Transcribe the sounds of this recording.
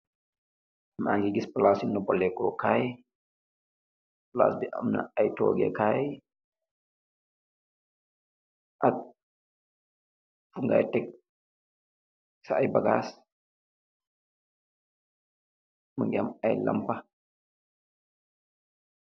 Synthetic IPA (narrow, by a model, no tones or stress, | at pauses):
mʔaŋɡɛɡisplasinːɔbɔlːɛkɔkaj | pla̰sdiʔamna̰ajtɔ̰ɡɛ̰kaj | ʔak̚ | fuŋɡa̰jtɛk̚ | saajbaɡas | maŋɡɛamajla̰mpa